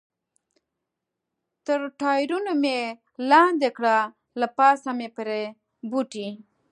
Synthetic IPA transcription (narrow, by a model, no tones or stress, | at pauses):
t̪əɾʈʰaːjɾunome | laːnd̪ekɽa | lapaːsamepəɾe | buʈi